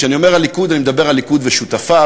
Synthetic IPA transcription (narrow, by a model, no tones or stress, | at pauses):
ʃeanio̞me̞ʁalːikud̪animed̪abe̞ʁalːikud̪veʃut̪afa